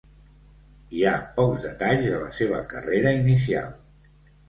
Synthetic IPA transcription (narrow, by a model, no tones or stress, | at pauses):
iapɔwzðət̪aʎzələseβ̞ə̰kəreɾəinisia̰lˠ